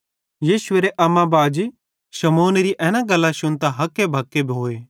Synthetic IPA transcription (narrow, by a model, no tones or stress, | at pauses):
jiːʃʊʋeːɾeʔɐmãbaːd͡ʒ | ʃɐmoːnɾiʔɛːnãɡɐlːaʃʊnt̪aɦɐkːebʱɐkːebʱɦoːeː